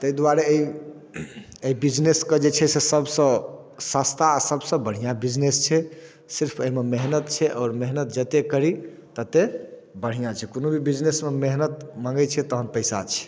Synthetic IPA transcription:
t̪əid̪waɾeeɦi | eibid͡ʒnesked͡ʒet͡ʃʰɛsesəbsə̃ | sast̪ʰaːsəbsə̃bəɽ̤ijãbid͡ʒnest͡ʃʰɛ | siɾpʰəɦimemeɦnət̪t͡ʃʰɛʔɔːɾmeɦnət̪̚d͡ʒət̪ekəɾit̪ət̪ebəɽ̤ijãt͡ʃʰɛkonobʱibid͡ʒnesmemeɦnət̪maŋɡɛt͡ʃʰɛt̪əɦənpəjsa̰t͡ʃʰɛ̥

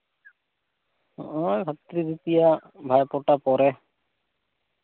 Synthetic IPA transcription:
ojbʱat̪ɾid̪it̪ijabʱajpɔʈapɔɾɛ

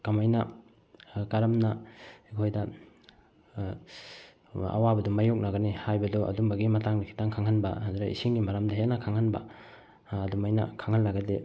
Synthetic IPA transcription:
kamajnɐ | kaɾɐmnaikʰojdɐ | a̰wabɐdumajok̚nɐɡɐnihajbɐdɔʔɐ̰dumbɐɡimɐtaŋnikʰi̥taŋkʰaŋhanbɐ̰andɾaʔḭsiŋɡimaɾamdɐɦenɐkʰaŋhanba̰ː | dumajnɐ̰kʰaŋhanlːaɡɐde

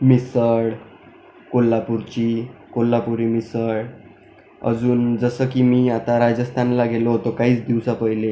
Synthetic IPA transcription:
misəɽ | kolːapuɾt͡ɕikolːapuɾimisəɽ | ə̰d͡zuːnd͡zəsəkiːmiːat̪aɾad͡zəst̪ʰanlaɡeloɦot̪okaɦiːt͡sd̪iwsapəɦile

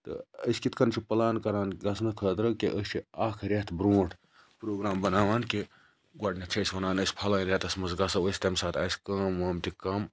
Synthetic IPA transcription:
t̪ɨ̰əsʲkit̪ʰkɐnt͡ʃʰipɐlaːnkɐɾaːnɡɐsnɐkʰɐːt̪ɾɐkeʔəst͡ʃʰiaːkʰɾʲɐt̪bɾoːʈʰ | pɾoːɡɾaːmbɐnaːʋaːnke | ɡʷɐʈnʲɐt͡ʃʰɐsʲʋɐnaːnɐsʲpʰɐlaːnɾʲet̪ɐsʲmɐzɡɐsɐwəsʲt̪ʲɐmsaːt̪aːsʲkɐːmʋɐːmt̪ikɐm

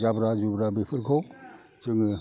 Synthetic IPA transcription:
d͡ʒabɾazubɾabipʰɯɾkʰɔw | zɯŋɯ

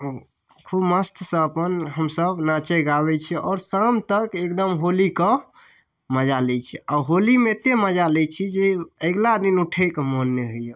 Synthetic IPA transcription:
kʰubməst̪ʰsə̃ːpənɦəmsəbnat͡ʃɛɡabɛt͡ʃʰɛɔːɾsamt̪əkek̚d̪əmɦolikə | məd͡ʒalɛt͡ʃʰɛɔɦolimet̪eməd͡ʒalɛt͡ʃʰid͡ʒeəɡlad̪inuʈʰɛkmonːeɦojje

